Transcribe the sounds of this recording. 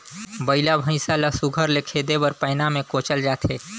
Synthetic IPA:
bəɪlabʱə̃ɪ̃saləsuɡʱəɾlekʰeːd̪ebəɾpəɪnamẽkoːt͡ʃəld͡ʒaːt̪ʰeː

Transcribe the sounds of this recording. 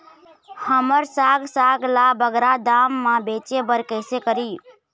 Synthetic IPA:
həməɾsaːɡsaːɡlabəɡɾad̪aːmːãbet͡ʃebəɾkəɪsekəɾiː

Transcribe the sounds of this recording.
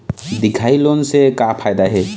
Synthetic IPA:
d̪ikʰajlɔnsekapʰajd̪aɦe

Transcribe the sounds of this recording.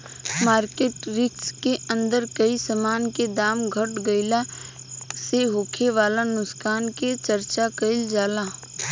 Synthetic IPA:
maːɾkeːʈɾɪkskeɐ̃nd̪əɾkəisəmaːnked̪aːmɡʱəʈɡɐɪla | seɦoːkʰeʋaːlanʊskaːnket͡ʃəɾt͡ʃakəɪld͡ʒaːlaː

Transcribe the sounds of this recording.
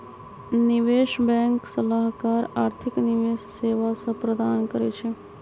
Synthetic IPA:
nɪʋeʃbɛ̃ŋksəlaɦkaɾaːɾt̪ʰɪkniʋeʃseʋasəpɾəd̪ankəɾḛt͡ʃʰe

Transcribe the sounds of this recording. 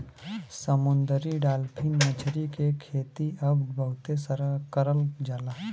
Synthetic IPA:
səmʊnd̪əɾiɖaːlpʰɪ̃nmət͡ʃʰɾikekʰeːt̪iʔɐbbʱəɦʊt̪esəɾkəɾəld͡ʒaːlaː

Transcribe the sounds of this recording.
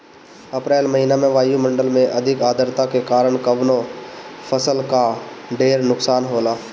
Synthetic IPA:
ɐpɾeːlmɐɦinamẽʋaːjumɐ̃ɳɖəlmẽʔɐd̪ʱɪkaːd̪ʱəɾt̪akekaːɾəɽ̃kəʋnõpʰəsəlkaɖeːɾnʊksaːnɦoːlaː

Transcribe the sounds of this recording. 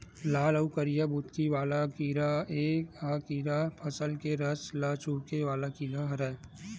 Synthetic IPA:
laːləukɐɾɪjabʊt̪kiʋaːlakiːɾaeːkaːkiːɾapʰɐsəlkeɾɐslaːt͡ʃuːɾkeʋaːlakiːɾaɦɐɾaːe

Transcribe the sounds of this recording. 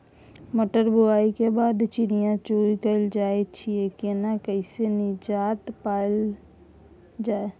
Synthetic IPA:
məʈəɾbʱʊaːikebaːd̪t͡ʃiɾijãt͡ʃoːikəld͡ʒaːet͡ʃʰiekenakəɪsenɪd͡ʒaːt̪paːl | d͡ʒaːe

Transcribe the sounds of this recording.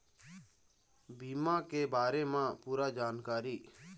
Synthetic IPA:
biːmãːkeːbaːɾeːmãːpuːɾaːd͡ʒaːnkaːɾiː

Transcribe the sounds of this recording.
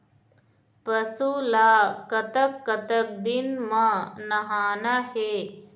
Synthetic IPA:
pɐsulaːkɐt̪ɐp̚kɐt̪ɐk̚d̪inmɐnɐɦaːnɐɦeː

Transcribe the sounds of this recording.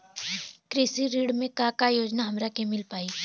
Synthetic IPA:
kɾɪsiɾiːɽmẽkãkajoːd͡ʒnaɦɐmɾakemɪlpaːiː

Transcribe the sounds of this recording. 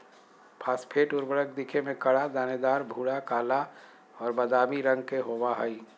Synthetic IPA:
pʰaːspʰeːʈʊɾbəɽək̚d̪ikʰemẽkəɽad̪aːned̪aːɾbʱuːɽakaːla | ɔːɾbəd̪aːmiɾə̃ŋɡ̚keɦobaɦəi

